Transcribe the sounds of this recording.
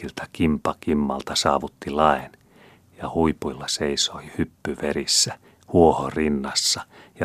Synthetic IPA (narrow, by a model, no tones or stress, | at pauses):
ilt̪ækimpɑkimːɑ̰lt̪ɑsɑ̰ːʋut̪ːilɑen | jɑhuipuilːɑseisoihypːyʋerisːæ | huohorinːɑsːɑjɑ